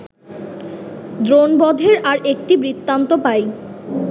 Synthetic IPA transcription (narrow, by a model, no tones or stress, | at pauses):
d̪ɾonbɔd̪ʱeɾaɾek̚ʈibɾit̪ːant̪opaj